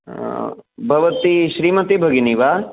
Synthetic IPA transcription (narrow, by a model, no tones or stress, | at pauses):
bʱɐʋɐt̪iʃɾiːmɐt̪ibʱɐɡiniʋa